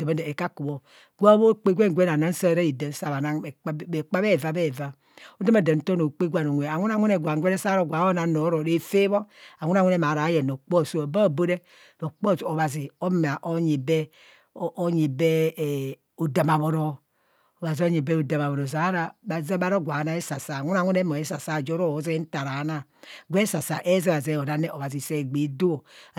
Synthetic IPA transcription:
da˨ma˨˦de˨ka˦ku˨βo˨ | ɡʷa˦βo˦˨k͡pe˦ɡʷe˦ŋʷ˨˦e˦n˨a˨na˦n˦sa˦˨ɾa˦ji˨da˨n˨sa˦˨βa˨na˦˨˦e˨k͡pa˦be˦˨va˦be˦˨va˨ | o˦da˦ma˨da˨n̩˨to˦no˨k͡pe˦ɡʷa˨no˨nʷ˨e˨a˨ŋʷu˦a˨ŋʷu˦ne˨ɡʷa˨ŋ˨ɡʷe˦ne˦sa˦ɾo˦ɡʷa˨˦o˦na˨no˨˦ɾo˨ɾe˦fe˦βo˦a˨ŋʷu˦na˨ŋʷe˦ne˨ma˨ɾa˨˦je˨no˨k͡po˦˨so˦o˨ba˦˨bo˦ɾe˦ | no˨k͡po˦˨so˨βa˨zi˨o˦m˨a˨ʔo˦ɲi˨be˦ | ʔo˦ɲi˨be˦˨ | o˨da˨ma˨βo˨ɾo˦ | o˨βa˨zi˨˦o˦ɲi˨be˦o˨da˨ma˨βo˨ɾo˨za˨˦ɾa˨ba˨ze˦ba˦ɾo˦ɡʷa˨˦na˦e˦sa˨sa˨ŋʷu˦na˨˦ŋʷu˦ne˦mo˨e˦sa˨sa˦˨d͡ʒo˦ɾo˦˨˦ze˦n̩˦ta˨ɾa˨˦na˦ | ɡʷe˦sa˨sa̰˨ʔe˦ze˦a˨ze˦˨o˨da˦ne˦ʔo˨βa˨zi˨se˦˨ɡ͡bi˨˦do˦o˨

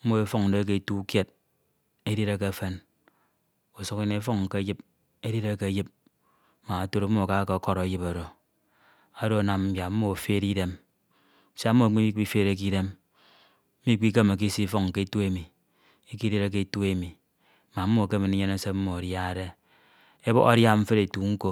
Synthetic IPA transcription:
m̩˦mo˦e˦fo˦ŋn̩˨de˦k̬e˦˨tu˦kje˦t̚ | e˦di˦ɾe˦ke˦fe˦n | o˨so˨ki˦ne˨˦fo˦ŋ̩˨ke˦ji˦p | e˦di˦ɾe˦ke˨˦ji˦p̚ | ma˨a˨to˦ɾ̩˦mo˦a˨ka˦ke˨˦ko˦ɾo˨e˦ji˦po˨ɾo˨ | a˨do˦a˨na˨mm̩˦bja˨m̩˦mo˦˨fe˦ɾi˦de˦m˦ | se˦a˦o˦˨k͡pi˦i˦k͡pi˦fe˦ɾe˦k̬i˦de˦m̩˦ | mi˦k͡pi˦ke˦me˨k̬i˦si˦fo˦ŋ˨ke˦e˦tu˦e˦mi˨ | e˦ki˦ɾe˦ɾe˦k̬e˦˨tu˦e˦mi˨ | ma˨m̩˦mːo˦˨ke˦me˨ni˦ɲe˦ne˦se˦m̩˦mo˨dja˦e˨de˦ | e˦bo̰˦ɣa̰˦ɾja˦ɱ̩˦fe˦ɾe˨tu˨ŋ̩˦ko˦

